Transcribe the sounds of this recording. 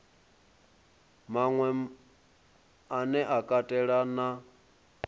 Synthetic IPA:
maŋwɛ | anɛʔakʼatʼɛɺana

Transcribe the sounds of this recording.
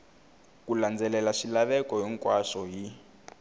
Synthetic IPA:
kuland͡zɛlɛlaʃilaβɛkɔɦɛŋkwaʂɔɦi

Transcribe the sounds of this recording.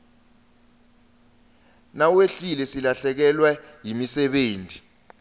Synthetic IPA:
naweɬilɛsilaɬɛk̬ɛlwajimisɛɓeːntʼi

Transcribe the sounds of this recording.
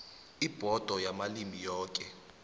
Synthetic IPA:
ib̥ʱɔd̥ʱɔjamalimijɔːk̬ʼɛ

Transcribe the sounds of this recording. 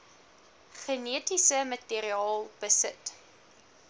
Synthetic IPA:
χəniətisəmətiəɾiɑːlˠb̥əsət

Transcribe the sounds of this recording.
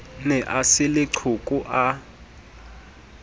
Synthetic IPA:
nɛʔasɪlɪǀʰukʼuʔa

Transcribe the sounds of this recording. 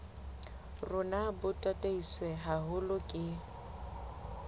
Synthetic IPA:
rʊnabʊtʼatʼeiswɛɦaɦʊlʊkʼɪ

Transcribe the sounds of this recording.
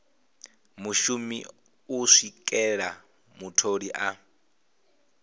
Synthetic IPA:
muʃumḭ | uʂikʼɛɺa | mutʰoɺiʔa

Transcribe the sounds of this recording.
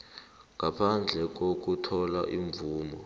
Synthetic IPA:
ŋapʰand͡ɮʱɛk̬ok̬utʰɔlaʔiɱbvuːmɔ

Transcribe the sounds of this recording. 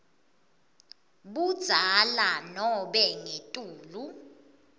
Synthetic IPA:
ɓud̥z̥ʱalanɔɓɛŋetʼuːlu

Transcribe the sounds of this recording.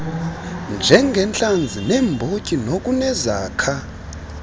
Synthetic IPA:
nd͡ʒʱɛŋɡʱɛnt͡ɬʼand͡zʱinɛmbʱocʼinok̬ʼunɛzaːkʰa

